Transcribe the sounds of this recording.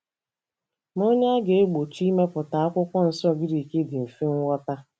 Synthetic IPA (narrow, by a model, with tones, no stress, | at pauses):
mo˦ɲe˦a˦ɡe˨e˦ɡ͡bo˨t͡ʃi˦me˦pʊ˨ta˨a˦kʷʊ˦kʷɔ˦n̩˨sɔ˦˨ɡɪ˦ɾi˨ke˦dɪ˨m̩˨fe˦ŋ̩˦wʷɔ˦ta˦